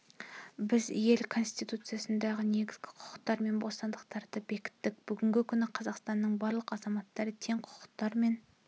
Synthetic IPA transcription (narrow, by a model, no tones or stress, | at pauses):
bɪzje̞lkʰo̞nst̪ijt̪ut̪sɨjasənd̪ɑʁəne̞ɡʲɪzɡʲɪqʰʊ̥qə̥q̚t̪ɑɾme̞nbost̪ɑnd̪əq̚t̪ʰɑɾd̪əbe̞kʲɪ̥t̪ːɪk̚b̥ʏɡʲɪŋɡʲɪkʲʰʏnɪqʰɑzɑqst̪ɑnːəɴbɑɾlˠəqɑzɑmɑt̪ːɑɾət̪ʰe̞ŋqʰʊ̥qə̥qt̪ɑɾme̞n